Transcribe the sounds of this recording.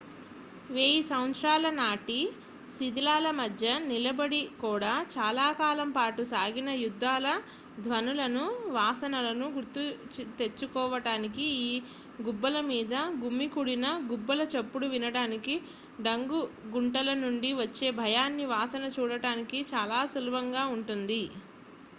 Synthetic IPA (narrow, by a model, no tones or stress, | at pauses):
ʋe̞ːjisɐwnʃɾaːlɐnaːʈi | sid̪ilaːlɐmɐd̪ʱjɐnilɐbɐɽikuːɽaːt͡ʃaːlaːkaːlɐmpaːʈusaːɡinɐjud̪ʱːaːlɐ | d̪ʱʋɐnulɐnuʋaːsɐnɐlɐnuɡuɾt̪ut̪e̞t͡ʃːukɔːʋɐɽaːnikiiː | ɡubːɐlɐmiːd̪ɐɡumːikuɽinɐɡubːɐlɐt͡ʃɐpːuɽuʋinɐɽaːniki | ɖɐŋɡuɡuɳʈɐlɐnuɳɖiʋɐt͡ʃːe̞ːbʱɐjaːnːiʋaːsɐnɐt͡ʃuːɽɐɽaːnikit͡ʃaːlaːsulɐbɐŋɡaːuɳʈund̪i